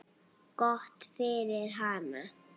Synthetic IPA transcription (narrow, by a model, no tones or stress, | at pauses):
ɡɔht̪feːɾɪɾɦana